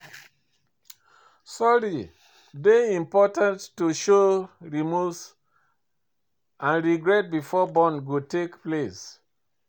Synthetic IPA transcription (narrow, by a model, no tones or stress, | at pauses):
sɔɹi | deĩmpɔtãnttːuʃoɹimus | ãnɹiɡɹɛt̚bifɔbɔ̃nɡotekples